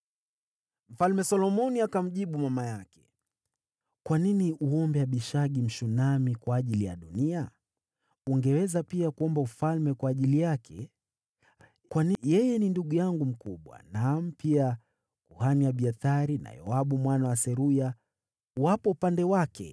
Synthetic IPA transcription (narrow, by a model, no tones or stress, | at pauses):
m̩falmɛsɔlɔmɔniakam̩ʄiɓumamajakɛ̥ | kwaniniʔuɔmbɛaɓiʃaɠim̩ʃunamikwaːʄilija̰ɗunia | uŋɡɛwɛzapiakuɔmbaufalmɛkwaːʄilijakʰɛ̰ | kwanijɛjɛninduɠujaŋɡum̩kuɓwa̰nam̩pia | kuhaniaɓiaθaɾina̰jɔ̰aɓumwanawasɛɾuja | wapɔupandɛwakʰɛ̰